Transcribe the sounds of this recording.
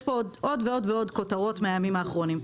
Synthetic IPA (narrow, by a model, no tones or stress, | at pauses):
podo̞dveo̞dveo̞d̪ko̞t̪aʁo̞tmeajamimaːχʁo̞nim